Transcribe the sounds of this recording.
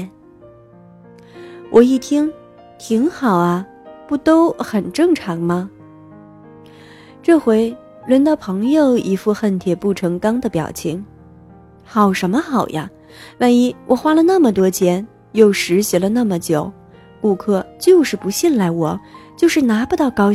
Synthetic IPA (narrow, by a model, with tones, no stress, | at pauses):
wʔɔ˨˩i˥˩t̪ʰi˥ŋ | t̪ʰi˧˥ŋxɑ˨˩ʊɐ˦ | pu˥˩t̪o˥ʊxə˨˩nʈ͡ʂɤ˥˩ŋʈ͡ʂʰɑ˧˥ŋmɐ˧ | ʈ͡ʂɤ˥˩xwe˧˥ɪ | lwə˧˥nd̪ə˥˩pʰɤ˧˥ŋjo˨˧ʊi˧˥fu˥˧xə˥˩nt̪ʰjɛ˨˩pu˥˩ʈ͡ʂʰɤ˧˥ŋkɑ˥ŋd̪ə˨pjɑ̰˨˩ʊt͡ɕʰi˧˥ŋ | xɑ˨˩ʊʂə˧˥nmə˧xɑ˨˩ʊja˦ | wa˥˩ni˨˥˩wʔɔ˨˩xwa˥lə˨na˥˩mə˩t̪wɔ˥t͡ɕʰjɛ˧˥n | jo˥˩ʊʂɻ̩˧˥ɕjɛ˧˥lə˧na˥˩mə˩t͡ɕjo˨˩˦ʊ | ku˥˧kʰɤ˥˧t͡ɕjo˥˧ʊʂɻ̩˥˩pu˧˥ɕɛ˥˩nla˧˥˩ɪwɔ˨˩˦t͡ɕjo˥˧ʊʂɻ̩˥˩na˧˥pu˧˥t̪ɑ˥˩ʊkɑ˥ʊ